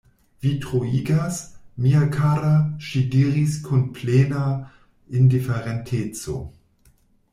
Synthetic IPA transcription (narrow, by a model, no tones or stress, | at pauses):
vitʁoiɡasmiakʰaɾaʃidiːʁiskʰunpleːna | indifeɾentʰet͡so̰